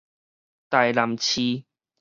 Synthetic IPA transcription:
t̪a˨˩jla˨˩mt͡ɕʰi˧

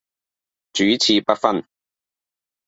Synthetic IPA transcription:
t͡ʃyː˨˥˦t͡sʰiː˧pɐ˥t̚fɐ˥n

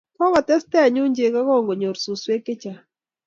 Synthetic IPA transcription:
kɔ˦kɔ˨tɛ˦stɛ˦a˨ɲʊ˦ɲd͡ʒe˨ka˦kɔ˦˨ŋɡo˨ɲo˨ɾsu˨swe˦kɪ˦t͡ʃa˨

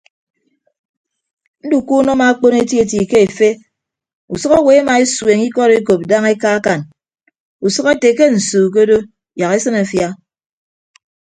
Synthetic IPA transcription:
n̩˦du˨ku˦nɔ˦ma˨a˦k͡po˦ne˦tje˨ti˨ke˦e˨fe˦ | ṵ˨sɔ˦ka˦we˨a˦ma˨e˦swe˨ŋi˦kɔ˦ɾe˦k̬o˨p̚da˦ŋe˦ka˦a˦ka˨n | u˨sɔ˦ka˦te˨ke˦n̩˨suː˨k̬o˦do˦ | ja˨ke˦sɨ˦na˨fja˦

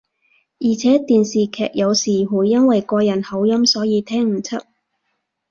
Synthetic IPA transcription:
jiː˨˩t͡sʰɛː˨˥t̪iː˨nsiː˨˩kʰɛ̰ː˨k̚jɐ˨˧wsiː˨˩huː˨˥jjɐ˥nwɐ˨jkɔː˧jɐ˨˩nhɐ˨˥wjɐ˥msɔː˨˥jiː˨˧t̪ʰɛː˥ŋm̩˨˩t͡sʰɐ˥t̚

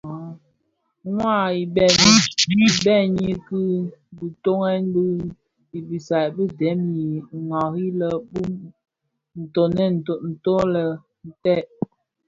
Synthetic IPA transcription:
ŋwa˦˨i˨bɛ˨mi˦t͡ʃi˦bɛ˦˨ɲi˦ki˦bu˨to˦ŋɛ˦n˦bu˦ | i˨bi˨sa˨bə˦dɛ˨˦mji˨ŋɔ˨hi˦lə˨bu˦m | n̩˨to˨nɛ˦˨n̩˨to˨n̩˨to˦lə˨ | n˨tɛ˦˨ʔ

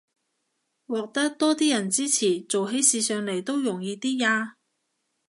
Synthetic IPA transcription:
wɔː˨˧k̚t̪ɐ˥k̚t̪ɔː˥t̪iː˥jɐ˨˩nt͡siː˥t͡sʰiː˨˩t͡so˨wɦe˨˥jsiː˨˧sœː˨ŋle˨˩jt̪o˥wjʊ˨˩ŋjiː˧t̪iː˥jaː˧

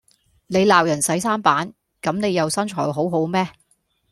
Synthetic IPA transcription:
ne˨˧jlaː˨˩wjɐ˨˩nsɐ˨˥jsaː˥npaː˨˥n | kɐ˨˥mne˨˧jɐ˨wsɐ˥nt͡ʃʰɔː˨˩jɦo˨˥wɦo˨˥wmɛː˥

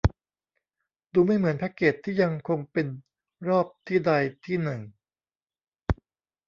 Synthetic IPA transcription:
duː˧ma˥˩jmɯ˩˦ənpʰɛ˦˥kːeː˨˩t̪ʰːiː˥˩ja˧ŋkʰo˧ŋpe˧n | ɾɔː˥˩p̚t̪ʰiː˥˩da˧jt̪ʰiː˥˩nɯ˨˩ŋ

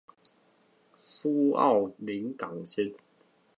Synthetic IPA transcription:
su˦a̰˥˨wli˨˦nka˨˩ŋɕi˦˥t̚

